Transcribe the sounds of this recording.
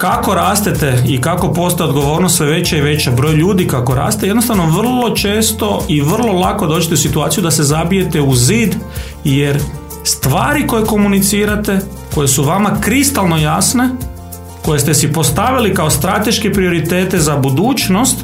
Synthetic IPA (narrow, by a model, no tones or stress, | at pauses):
kako̞ɾaːst̪et̪e̞ikako̞po̞st̪aod̪ɡo̞ʋo̞ːɾnost̪sʋeʋe̞t͡ɕaiʋe̞t͡ɕabɾo̞jʎuːd̪ikako̞ɾa̰ːst̪eje̞d̪nost̪aʋno̞ʋr̩lˠo̞t͡ʃe̞ːst̪o̞iʋr̩lˠo̞lˠako̞d̪o̞ːt͡ʃit̪eusit̪uaːt̪sijud̪ase̞zabije̞t̪e̞uziːd̪ | jeɾ | st̪ʋaːɾiko̞je̞ko̞munit̪siːɾat̪e̞ | ko̞jesuʋamakɾist̪alˠno̞jasne̞ | ko̞jest̪e̞sipo̞st̪aʋilikaost̪ɾat̪e̞ʃkepɾio̞ɾit̪e̞ːt̪e̞zabud̪uːt͡ʃno̞st̪